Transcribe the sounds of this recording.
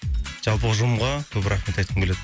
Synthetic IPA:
ʒ̥ɑlˠpəʒumʁɑkʲʰɵbɪɾaχmet̪ɑjt̪qʰəmbeled̪

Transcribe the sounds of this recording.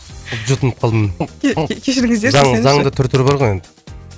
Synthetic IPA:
pʒut̪ənəp̚qʰɑlˠd̪əm | kʲʰeʃɪɾɪŋɪzd̪ezɑŋɑɴd̪ət̪ʰʏɾt̪ʰʏɾbɑɾʁojend̪ɪ̥

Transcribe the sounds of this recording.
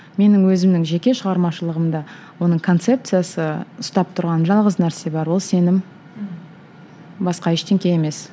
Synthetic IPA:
me̞nɪŋwɵzɪmnɪŋʒe̞kʲe̞ʃəʁɑɾmɑʃəlˠəʁəmd̪ɑ | wo̞nəɴkʰo̞nt̪se̞p̚t̪sɨjasəʊst̪ɑp̚t̪ʰʊɾʁɑnʒɑlˠʁəznæɾse̞bɑɾwo̞lˠse̞nɪm | bɑsqɑɪʃt̪ʰe̞ŋkʲeeme̞s

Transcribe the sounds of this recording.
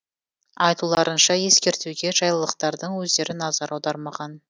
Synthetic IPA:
ɑjt̪ulˠɑɾənʃɑje̞skʲe̞ɾt̪uɡʲe̞ʒɑjlˠəlˠəqt̪ɑɾd̪əɴwɵzd̪e̞ɾɪnɑzɑɾɑwd̪ɑɾmɑʁɑn

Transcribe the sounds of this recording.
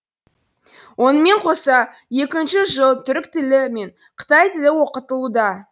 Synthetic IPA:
wʔo̞nəme̞ɴqʰo̞sɑ | je̞kʲɪnʃɪʒəlˠt̪ʰʏɾɪk̚t̪ɪlɪme̞ɴ | qʰə̥t̪ɑjt̪ɪlɪwo̞qət̪əlˠud̪ɑ

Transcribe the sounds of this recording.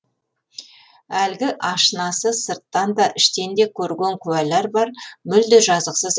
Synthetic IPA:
ælɡʲɪʔɑʃənɑsəsəɾt̪ːɑnd̪ɑʔɪʃt̪e̞nd̪e̞kʲʰɵɾɡʲe̞ŋkʲʰʉæleɾbɑɾmʏld̪ɪʒɑzəqsəz

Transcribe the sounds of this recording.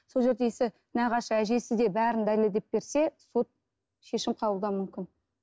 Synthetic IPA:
so̞lˠʒe̞ɾd̪e̞sɪ | næʁɑʃəæʒe̞sɪzd̪e̞bæɾɪnd̪ælɪled̪e̞p̚be̞ɾse̞so̞t̪̚ | ʃe̞ʃɪmqʰɑblˠd̪ɑmʏmkʲɪn

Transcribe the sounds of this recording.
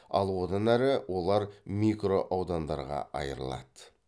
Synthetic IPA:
ɑlˠwo̞d̪ɑnæɾɪwʔo̞lˠɑɾmʲikro̞ʔɑwd̪ɑnd̪ɑ̰ɾʁɑ̰ʔɑ̰jə̰ɾə̰lˠɑ̰d̪ə

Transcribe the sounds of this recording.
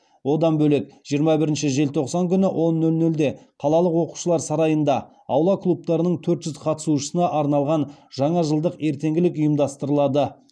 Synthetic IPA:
wo̞d̪ɑnbɵle̞kʒ̥ijəɾmɑbɪɾɪnʃɪʒe̞lt̪ʰo̞qsɑŋkʲʰʏnɪwʔo̞nːɵlnɵld̪e̞qʰɑlˠɑlˠəqwo̞qu̥ʃəlˠɑɾsɑɾɑjənd̪ɑ | ɑwlˠɑkʰlˠup̚t̪ɑɾənəɴt̪ʰɵɾt̪ʒ̥ʏzqʰɑt̪ə̥suʃəsənɑʔɑɾnɑlˠʁɑnʒɑɴɑʒəlˠd̪əqe̞ɾt̪e̞ŋɡʲɪlɪkʊjəmd̪ɑst̪əɾəlˠɑd̪ə

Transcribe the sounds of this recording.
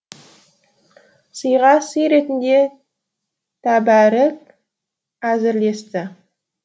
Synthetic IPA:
səjʁɑsəjɾe̞t̪ɪnd̪e̞ | t̪ʰæbæɾɪk̚ | æzɪɾle̞st̪ɪ

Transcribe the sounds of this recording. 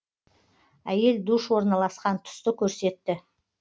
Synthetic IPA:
æje̞ld̪uʃwo̞ɾnɑlˠɑsqɑnt̪ʰʊ̥st̪əkʲʰɵɾse̞t̪ːɪ

